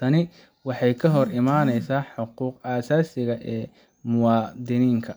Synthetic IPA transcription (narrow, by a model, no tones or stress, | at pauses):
t̪ʰɐnɪ | wɑħɑjkʰɐɦɔrɪmaːnɛjsaːħʊquːqaːsaːsɪɣɐʔɛː | mʊwɑːd̪ɪniːŋkʰɐ